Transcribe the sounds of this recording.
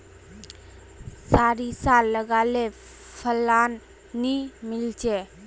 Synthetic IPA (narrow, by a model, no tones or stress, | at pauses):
saɾisalːəɡale | pʰəlːanː | imɪlt͡ʃʰe